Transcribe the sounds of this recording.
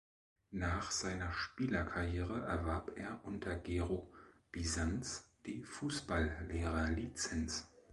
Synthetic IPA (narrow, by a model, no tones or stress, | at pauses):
naːχz̥aɪnɐʃpiːlɐkʰaʁjeːʁ̞əʔɛɐvaɐpʔeːɐʔʊntʰɐɡeːʁob̥izant͡sd̥iːfuːsb̥alleːʁɐlit͡sɛns